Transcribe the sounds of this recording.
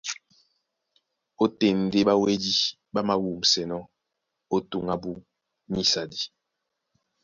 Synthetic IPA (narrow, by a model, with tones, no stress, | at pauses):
o˦te˨n˨de˦ba˦we˦di˦ | ba˦ma˨wu˨m̩˨sɛ˨nɔ˦ | o˦tu˨ŋa˦bu˦ | ni˦sa˨di˦